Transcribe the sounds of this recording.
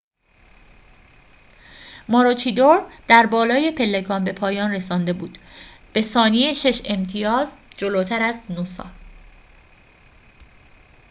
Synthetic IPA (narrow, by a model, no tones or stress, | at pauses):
mɒːɾot͡ʃʰid̪oɾd̪̥æɾbɒːlɒːje̞pʰe̞lːe̞ɡɒːmbe̞pʰɒːjɒːnre̞sɒːnd̪e̞buːd̪̥ | b̥e̞sɒːnieʃe̞ʃe̞mt̪ʰijɒːzd͡ʒo̞loːt̪ʰæɾæznosɒ̰ː